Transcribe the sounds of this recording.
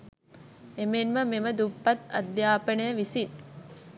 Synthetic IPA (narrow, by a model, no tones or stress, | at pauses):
emenməmeməd̪upːat̪ɐ̰d̪jaːpənəjəʋisin